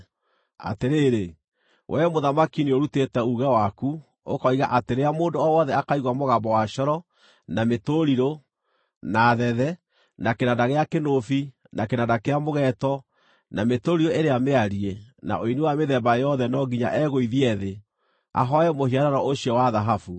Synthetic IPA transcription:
a̰teɾeːɾe | wʔɛmoðamakinioɾutetɛuɣɛwaku | o̰kɔiɣaʔateɾeamoːndoɔwɔðɛakaiɣwamoɣambɔwaʃɔɾɔ | nametoɾiɾo | naðɛðɛ | nakenadaɣeakenofi | nakenadakeamoɣɛtɔ | nametoɾiɾoeɾeameaɾiena̰ʔoiniwameðɛmbajɔðɛnɔɡiɲa̰ʔɛɣoiðiɛðe | a̰ɦɔjɛmohiaɾaɾɔoɕiɔwaðaɦafu

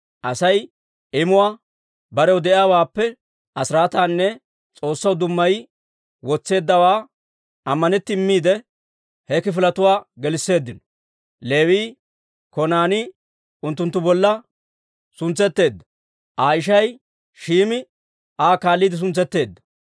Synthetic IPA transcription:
ʔɐsɐj | ɪmʊwaː | bɐɾɛwd̪ɛʔɪaːwaːpːɛ | ʔɐsɪɾaːt̪aːnːɛ | t͡sʼo̞ːsːɐwd̪ʊmːɐj | wɔt͡sːe̞ːd̪ːɐwaː | ʔɐmːɐnɛt̪ːɪɪmːiːd̪ɛ | hɛkɪfɪlɐt̪ʊwaːɡɛlɪsːe̞ːd̪ːɪnɔ | le̞ːwiː | kɔnaːnɪ | ʊnt̪ːʊnt̪ːʊbɔlːɐ | sʊnt͡sːɛt̪ːe̞ːd̪ːɐ̥ | ʔaːɪʃ̬ɐj | ʃiːmɪ | ʔaːkaːlːiːd̪ɪs̬ʊnt͡sːɛt̪ːe̞ːd̪ːɐ̥

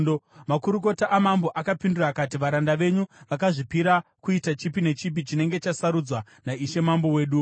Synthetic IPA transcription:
omakuɾuk̬o̞taʔːmambo̞ʔakapindurakatiʋaɾandaʋe̞ɲuʋakaʐipiɾakuitat͡ʃipine̞t͡ʃip̬it͡ʃine̞ŋɡe̞t͡ʃasaɾud͡zwa | naiʃe̞mambo̞we̞ːɗu

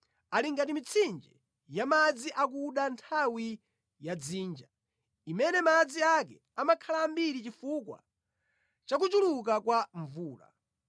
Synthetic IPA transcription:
aliŋɡatimit͡sʰind͡ʒɛ | jamad͡ziʔak̬uɗantʰawi | jad͡ziːnd͡ʒa | imɛnɛmad͡ziakɛ | amakʰalambiɾit͡ʃifukwa̰ | t͡ʃak̬ut͡ʃuluk̬akwaɱvuːla̰

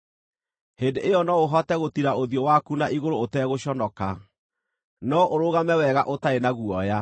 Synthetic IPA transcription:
hendeʔejɔnɔoɦɔtɛɣotiɾaoðjɔwakunaʔiɣoɾootɛɣoɕɔnɔka | nɔʔoɾoɣamɛwɛɣa̰ʔotaenaɣuɔja

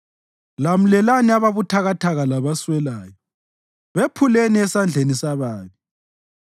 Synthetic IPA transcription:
lam̩lɛlaniaβaβutʰaɣatʰaɣalaβaswɛlaːjɔ | βepʰuleniɛsand͡ɮʱenisaβaːβi

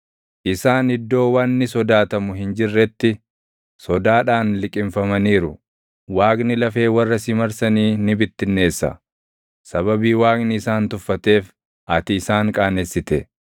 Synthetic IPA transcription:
ʔɪsaːnɪd̪ːo̞ːwɐnːɪsɔd̪aːt̪ɐmʊɦɪnd͡ʒɪrːɛt̪ːɪ | sɔd̪aːᶑaːnlɪkʼɪmfɐmɐniːɾʊ | waːknɪlɐfe̞ːwɐrːɐsɪmɐɾsɐniːnɪbɪt̪ːɪnːe̞ːsːɐ̰ | sɐbɐbiːwaːknɪɪsaːnt̪ʊfːɐt̪e̞ːf | ʔɐt̪ɪːsaːŋkʼaːnesːɪt̪ɛ

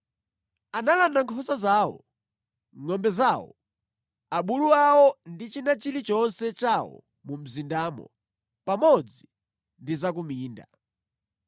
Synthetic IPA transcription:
analandaŋkʰɔsazaːwɔ̰ | ŋɔmbɛzaːwɔ̰ | aɓuluawɔndit͡ʃinat͡ʃiɾit͡ʃɔnsɛt͡ʃawɔ̰ | mum̩zindaːmɔ̰ | pamɔd͡zi | ndizakumiːnda

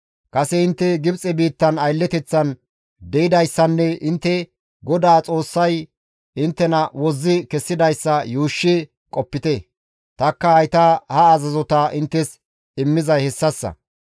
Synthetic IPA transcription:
kʼɐsɛɪnt̪ːɛɡɪbt͡sʼɛbiːt̪ːɐnɐjlːɛt̪ɛt͡sːɐn | d̪ɛɪd̪ɐjsːɐnːɛɪnt̪ːɛ | ɡɔd̪aːt͡sʼo̞ːsːɐj | ɪnt̪ːɛnɐwɔzːɪkɛsːɪd̪ɐjsːɐjuːʃːɪ | kʼɔpːɪt̪ɛ | t̪ɐkːɐhɐjt̪ɐhɐːzɐzɔt̪ɐʔɪnt̪ːɛs | ɪmːɪzɐjhɛsːɐsːɐ̰

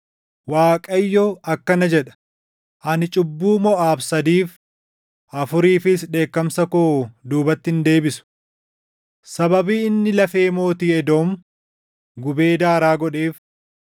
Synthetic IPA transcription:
waːkʼɐjːɔɐkːɐnɐd͡ʒɛᶑɐ̥ | ʔɐnɪt͡ʃʼʊbːuːmɔʔaːbsɐd̪iːf | ʔɐfʊɾiːfɪsᶑe̞ːkːɐmsɐkod̪uːbɐt̪ːɪnd̪e̞ːbɪsʊ̥ | sɐbɐbiːɪnːɪlɐfe̞ːmo̞ːt̪iːɛd̪o̞ːm | ɡʊbe̞ːd̪aːɾaːɡɔᶑe̞ːf

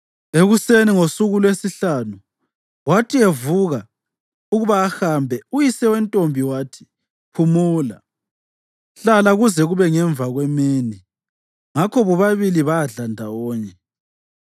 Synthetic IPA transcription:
eɣuseniŋosuɣulwesiɬanu | watʰievuɣa | uɣuβaːxambʱɛujisɛwɛntʼombʱiwaːtʰi̥ | pʰumuːla̰ | ɬalaɣuzɛɣuβɛŋɛɱvaɣwemiːni | ŋakʰɔβɔβaβiliβaaɮandʱawɔːɲɛ

